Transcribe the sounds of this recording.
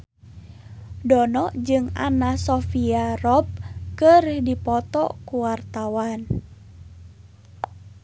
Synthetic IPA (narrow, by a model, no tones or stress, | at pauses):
dɔnɔʔd͡ʒɨŋa̰nasɔfiarɔp̚kərdipɔt̪ɔ̰kuwart̪awan